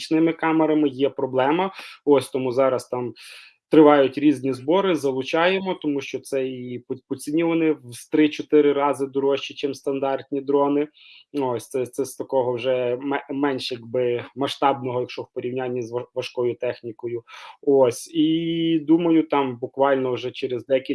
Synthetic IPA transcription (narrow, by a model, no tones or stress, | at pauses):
t͡ʃnɪmɪkɑmeɾɐmɪjɛpɾɔblˠɛmɐɔsʲt̪ɔmuzɑɾɐst̪ɑm | t̪ɾɪʋɑjʊtʲɾʲizʲnʲizbɔɾɪzɐlˠʊt͡ʃɑjemɔt̪ɔmuʃt͡ʃɔt̪sɛippɔt͡sʲinʲiʋɐnɪwst̪ɾɪt͡ʃɔt̪ɪɾɪɾɑzɪd̪ɔɾɔʃt͡ʃit͡ʃɪmst̪ɐnd̪ɑrt̪ʲnʲid̪ɾɔnɪɔsʲt̪sɛt̪sɛst̪ɐkɔɦɔwʒɛmɛmɛnʲʃjɐɡ̚bɪmɐʃt̪ɑbnɔɦɔjɐkʃɔwpɔɾʲiwnʲanʲːɐzɐʋɐʃkɔjʊt̪ɛxnʲikɔjʊosʲid̪umɐjʊt̪ɑmbʊkʋɑlʲnɔʒɛt͡ʃeɾezd̪ɛkʲi